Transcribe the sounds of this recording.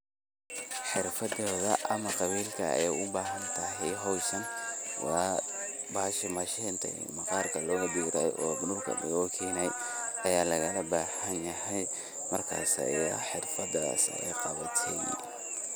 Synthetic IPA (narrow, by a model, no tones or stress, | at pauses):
ħɪrfɐdɔːðɐʔɐmɐqɑβiːlkʰɐɛjʊbaːɦɐnt̪ʰɐɦɛjɦɔwsɐnwɑː | baːʃɐmɐʃɛːnt̪ʰɐ̰ | mɐqɑːrkʰɐlɔːɣɐd̪uːɾɐ̰jʔɔːbʊnurkʰɐ̰ɖɪ̰ɣɔːkʰiːnɛjɐjaːlɐɣɐlɐbaːhɐnjɐɦɛj | mɐrkʰa̰ːsɐ̰ħɪrfɐda̰ːsɛ̰jqɑβɐt̪ʰɛj